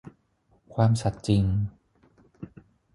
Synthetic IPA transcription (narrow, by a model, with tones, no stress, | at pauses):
kʰwaː˧msa˨˩t̪̚t͡ɕi˧ŋ